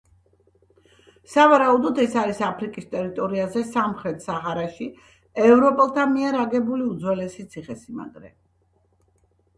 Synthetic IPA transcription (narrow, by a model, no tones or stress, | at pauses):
savaɾaud̪ɔd̪ɛsaɾisapʰɾikʼist̪ʼɛɾit̪ʼɔɾiazɛsamχɾɛt̪ʰsaɦaɾaʃi | ɛvɾɔpʼɛlˠt̪ʰamiɛɾaɡɛbuliud̪zwɛlɛsit̪sʰiχɛsima̰ɡɾɛ̰